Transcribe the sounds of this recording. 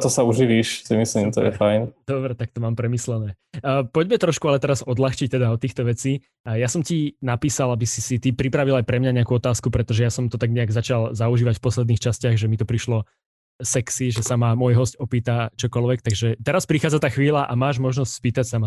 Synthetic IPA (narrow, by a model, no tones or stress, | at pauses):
t̪ɔsauʒiʋiːʃsimisliːmt̪ɔ̰jɛ̰fajnd̪̥ɔbɾɛt̪ak̚t̪ɔmaːmpɾɛmislɛnɛː | pɔɟmɛt̪ɾɔʃkualɛt̪ɛɾazɔd̪laxt͡ʃic̚t̪ɛd̪aɔt̪ːiːxt̪ɔʋɛt͡siː | jasɔmcinapiːsalabisisit̪ipɾipɾaʋilajpɾɛmɲaɲɛakuːɔt̪aːskupɾɛt̪ɔʒɛjasɔmt̪ɔt̪aɡɲɛaɡzat͡ʃalzauʒiːʋacfpɔslɛd̪niːxt͡ʃascɪaɣʒɛmit̪ɔpɾiʃlɔ | sɛksiʒɛsamamɔjɦɔscɔpiːt̪at͡ʃɔkɔlʋɛk̚t̪aɡʒɛt̪ɛɾaspɾixaːd͡zat̪aːxʋiːlaʔamaːʒmɔʒnɔstspiːt̪acsama